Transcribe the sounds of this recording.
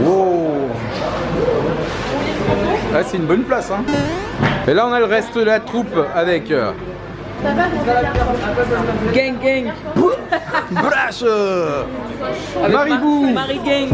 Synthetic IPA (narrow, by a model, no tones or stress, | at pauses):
o | asɛynbɔnplasɛ̃ | elaɔ̃nalʁɛst̪d̪əlat̪χupavɛkø̰ | alapɛʁd̪ɛɡɛ̃ŋɡɛ̃ŋbu | blaʃø | maʁibumaʁiɡɛ̃